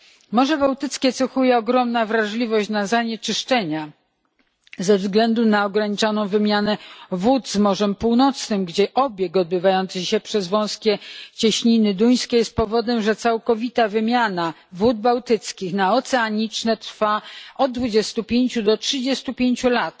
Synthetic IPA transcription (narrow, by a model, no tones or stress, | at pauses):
mɔʐɛbawt̪ɘt̪skʲɛt̪sɛxujɛɔɡɾɔmnavɾaʐlʲivɔɕt͡ɕnazaɲet͡ʂɘʂt͡ʂɛɲa | zɛvzɡlɛnd̪unaɔɡɾaɲit͡ʂanɔ̃w̃vɘmʲjanɛvud̪zmɔʐɛmpuwnɔt̪snɘmɡd͡ʑɛʔɔbʲjɛɡɔd̪̚bɘvajɔnt̪sɘxɕɛpʂɛzvɔ̃w̃skʲɛt͡ɕɛɕɲinɘd̪uj̃skʲɛjɛst̪̚pɔvɔd̪ɛmʐɛt̪sawkɔvʲit̪avɘmʲjana | vud̪̚bawt̪ɘt̪skʲixnaɔt̪sɛaɲit͡ʂnɛt̪ɾfaɔd̪̚d̪vud͡ʑɛst̪upʲjeɲt͡ɕud̪ɔtʂɘd͡ʑɛst̪upʲjeɲt͡ɕulat̪